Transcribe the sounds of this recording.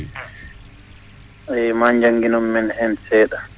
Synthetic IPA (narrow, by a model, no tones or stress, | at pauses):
ɛjmaːɲd͡ʒaŋɡinɔmːɛnhɛnsɛːɗa